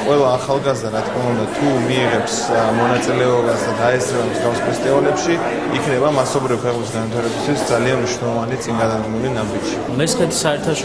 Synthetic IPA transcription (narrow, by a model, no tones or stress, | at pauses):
qʼwɛlˠaːχalˠɡazd̪aɾat̪ʰkʰmaund̪at̪ʰumiːʁɛpsmɔnat̪sʼilɛɔbasd̪ad̪aɛsɾɛbamzɡafspʰɛst̪ʼivalɛpʃi | ikʰnɛbamasɔbɾivkʰɛqʼmis̬ɡanvwit̪ʰaɾɛbist̪ʰwisd̪zalianmniʃnɛlˠɔvanit̪sʼiŋɡad̪ad̪ɡmɛlinabid͡ʒʃimɛsχɛt̪ʰi̥saɛɾt̪ʰaʃ